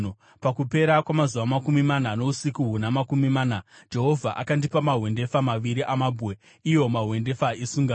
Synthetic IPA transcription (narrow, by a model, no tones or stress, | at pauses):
pakupe̞ɾakwamazuʋamakumimanano̞usikuɦunamakumimaːnad͡ʒe̞ɦo̞vʱaʔa̰kandipamaɦwe̞nde̞famaʋiɾiʔamabʱwe | ijo̞maɦwe̞nde̞faisuŋɡa